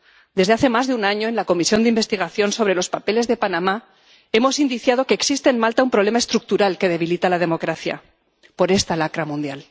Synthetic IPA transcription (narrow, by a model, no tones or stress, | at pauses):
d̪ezðe̞aθe̞mazðeunaɲo̞e̞nlako̞misjo̞nd̪eimbest̪iɣ̞aθjo̞nso̞β̞ɾe̞lo̞spape̞le̞zðe̞panãma | e̞mo̞sind̪iθjað̞o̞ke̞ːksist̪eːnmalt̪aumpɾoβle̞mae̞st̪ɾuk̚t̪uɾalke̞ð̞e̞βilit̪alað̞emo̞kɾaθja̰ | po̞ɾe̞st̪alakɾamũnd̪jal